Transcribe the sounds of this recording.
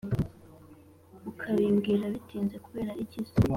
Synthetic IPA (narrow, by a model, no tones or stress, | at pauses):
ukʰaβiːmɡiːɾaβitiːnze̞kuβe̞ːɾaʔiciso